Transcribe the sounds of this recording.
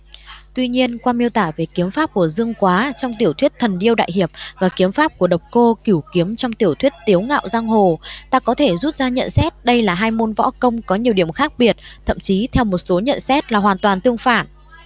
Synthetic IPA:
t̪wi˧ɲi˧ənkwaː˧mi˧əwt̪aː˧˩ve˨˩ki˨˦əmfaː˦˥p̚ku˧˩əzɨ˧əŋkwaː˨˦t͡ɕɔ˧wŋ͡mt̪i˧˩əwt̪ʰwi˦˥ət̚t̪ʰə˨˩nɗi˧əwɗa̰ː˧˨jɦi˨˩əp̚vaː˨˩ki˨˦əmfaː˦˥p̚ku˧˩əɗə˨˩wk͡p̚ko˧ki˧˩wki˨˦əmt͡ɕɔ˧wŋ͡mt̪i˧˩əwt̪ʰwi˦˥ət̚t̪i˨˦əwŋa̰ː˧˨wzaː˧ŋɦo˨˩t̪aː˧kɔ˨˦t̪ʰe˧˩zu˦˥t̚zaː˧ɲə̰˧˨nsɛ˦˥t̚ɗə˧jlaː˨˩ɦaː˧jmo˧nvɔ̰˧˥kə˧wŋ͡mkɔ˨˦ɲi˨˩əwɗi˧˩əmxaː˦˥k̚ɓi˨˩ət̚t̪ʰə̰˧˨mt͡ɕi˨˦t̪ʰɛ˧wmo˨˩t̚so˨˦ɲə̰˧˨nsɛ˦˥t̚laː˨˩ɦwaː˨˩nt̪waː˨˩nt̪ɨ˧əŋfaː˧˩n

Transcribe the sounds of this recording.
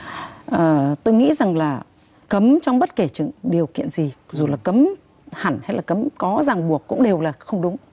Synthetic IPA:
ʔəː˨˩t̪o˧jŋḭ˧˥za˨˩ŋlaː˨˩ | kə˨˦mt͡ɕɔ˧wŋ͡mɓə˦˥t̚ke˧˩t͡ɕɨ̰˧˨ŋɗi˨˩əwkḭ˧˨ənzi˨˩zu˨˩laː˨˩kə˨˦m | ha˧˩nha˧jlaː˨˩kə˨˦mkɔ˨˦zaː˨˩ŋɓu˨˩əkːʊ̰˧˥ŋ͡mɗe˨˩wlaː˨˩xə˧wŋ͡mɗʊ˨˦ŋ͡m

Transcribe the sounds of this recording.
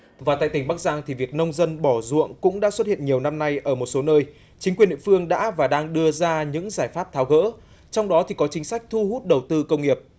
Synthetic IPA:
vaː˨˩t̪a̰ː˧˨jt̪ï˩ŋɓa˦˥k̚zaː˧ŋt̪ʰi˨˩vi˨˩ək̚nə˧wŋ͡mzə˧nɓɔ˧˩zṵ˧˨əŋkʊ̰˧˥ŋ͡mɗa̰ː˧˥swə˦˥t̚hḭ˧˨ənɲi˨˩əwna˧mna˧jʔəː˧˩mo˨˩t̚so˨˦nəː˧j | t͡ɕi˨˦ŋkwi˨˩ənɗḭ˧˨fɨ˧əŋɗa̰ː˧˥vaː˨˩ɗaː˧ŋɗɨ˧əzaː˧ɲɨ̰˧˥ŋzaː˧˩jfaː˦˥p̚t̪ʰaː˨˦wɣə̰ː˧˥ | t͡ɕɔ˧wŋ͡mɗɔ˨˦t̪ʰi˨˩kɔ˨˦t͡ɕï˨˦ŋ̟sa˦˥k̟̚t̪ʰu˧ɦu˦˥t̚ɗə˨˩wt̪ɨ˧kə˧wŋ͡mŋi˨˩əp̚

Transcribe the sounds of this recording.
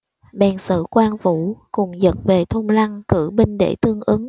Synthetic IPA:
ɓɛ˨˩nsɨ̰˧˨kwaː˧nvṵ˧˨kʊ˨˩ŋ͡mzə̰˧˥n̚ve˨˩t̪ʰo˧ŋ͡mla˧ŋkɨ˧˩ɓi˧ŋ̟ɗḛ˧˩t̪ɨ˧əŋʔɨ˨˦ŋ

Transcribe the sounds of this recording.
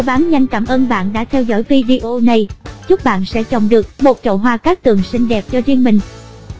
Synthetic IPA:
ɓaː˨˦nɲa˧jŋ̟kaː˧˩mʔəː˧nɓa̰ː˧˨nɗa̰ː˧˥t̪ʰɛ˧wzɔ̰ː˧˥˩jvi˧ɗi˧ʔo˧na˧jt͡ɕʊ˦˥k͡p̚ɓa̰ː˧˨nsɛ̰˧˥t͡ɕɔ̰˨˩wŋ͡mɗɨ˨˩ək̚mo˨˩t̚t͡ɕə̰˧˨wɦwaː˧kaː˦˥k̚t̪ɨ˨˩əŋsï˧ŋ̟ɗɛ˨˩p̚t͡ɕɔ˧zi˧ənmï˨˩ŋ̟

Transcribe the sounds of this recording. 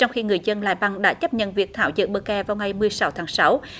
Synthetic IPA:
t͡ɕɔ˧wŋ͡mxi˧ŋɨ˨˩əjzə˧nla̰ː˧˨jɓa˧ŋɗa̰ː˧˥t͡ɕə˦˥p̚ɲə̰˧˨nvi˨˩ək̚t̪ʰaː˧˩wzɨ̰˧˨ɓəː˧˩kɛ˧˩vaː˨˩wŋa˨˩jmɨ˨˩əjsa˨˦wt̪ʰaː˨˦ŋsa˨˦w

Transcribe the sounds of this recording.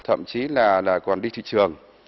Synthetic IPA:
t̪ʰə̰˧˨mt͡ɕi˨˦laː˨˩laː˨˩kwaː˨˩nɗi˧t̪ʰḭ˧˨t͡ɕɨ˨˩əŋ

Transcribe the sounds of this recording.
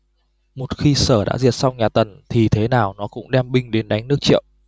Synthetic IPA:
mo˨˩t̚xi˧səː˧˩ɗa̰ː˧˥zi˨˩ət̚sa˧wɲaː˨˩t̪ə˨˩nt̪ʰi˨˩t̪ʰe˨˦naː˨˩wnɔ˨˦kʊ̰˧˥ŋ͡mɗɛ˧mɓï˧ŋ̟ɗe˨˦nɗa˨˦jŋ̟nɨ˦˥ək̚t͡ɕḭ˧˨ə˨wʔ

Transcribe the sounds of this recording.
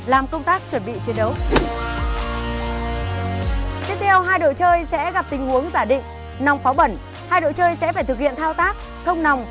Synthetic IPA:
laː˨˩mkə˧wŋ͡mt̪aː˦˥k̚t͡ɕwə˧˩nɓḭ˧˨t͡ɕi˨˦ənɗə˨˦w | t̪i˦˥p̚t̪ʰɛ˧wɦaː˧jɗo̰˧˨t͡ɕəː˧jsɛ̰˧˥ɣa˨˩p̚t̪i˨˦ŋ̟hu˨˦əŋzaː˧˩ɗḭ̈˧˨ŋ̟ | na˨˩wŋ͡mfaː˨˦wɓə˧˩n | haː˧jɗo̰˧˨t͡ɕəː˧jsɛ̰˧˥faː˧˩jt̪ɨ˨˩k̚hḭ˧˨nt̪ʰaː˧wt̪aː˦˥k̚ | xʰə˧wŋ͡mna˨˩wŋ͡m

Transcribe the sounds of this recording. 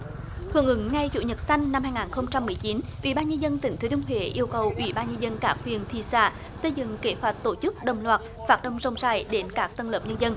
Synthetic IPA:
hɨ˧˩əŋʔɨ˨˦ŋŋa˧jzṵ˧˨ɲə˨˩t̚sa˧jŋ̟na˧mhaː˧jŋaː˨˩nxə˧wŋ͡mt͡ɕa˧mːɨ˨˩əjt͡ɕi˨˦nʔwḭ˧˩ɓaː˧nɲə˧nzə˧nt̪ï˨˩ŋ̟t̪ʰə˨˦t͡ɕʊ˧wŋ͡mɦwḛ˧˩ʔi˧əwkə˨˩wʔwḭ˧˩ɓaː˧nɲə˧nzə˧nkaː˧˥kwi˨˩ənt̪ʰi˧˨sa̰ː˧˩ | sə˧jzɨ̰˧˨ŋke˧˨˦hwaː˨˩t̚t̪o˧˩t͡ɕɨ˦˥k̚ɗə˨˩wŋ͡mlwaː˨˩t̚faː˨˦˥t̚ɗə˧wŋ͡mzə˧wŋ͡mzaː˧˩jɗe˨˦nkaː˦˥k̚t̪ə˧nləː˨˩p̚ɲə˧nzə˧n

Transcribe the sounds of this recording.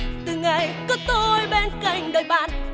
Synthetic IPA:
t̪ɨ˨˩ŋa˨˩jkɔ˨˦t̪o˧jɓe˧nka˧˩jŋ̟ɗəː˨˩jɓa̰ː˧˨n

